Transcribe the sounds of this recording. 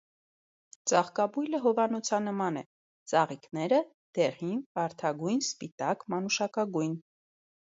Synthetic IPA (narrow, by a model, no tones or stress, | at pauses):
t͡sɑχkɑbujləɦɔvɑnɔt͡sʰɑnəmɑnɛ | t͡sɑʁiknɛɾə | d̪̥ɛʁinvɑɾt̪ʰɑɡujnspit̪ɑkmɑnuʃɑkɑɡujn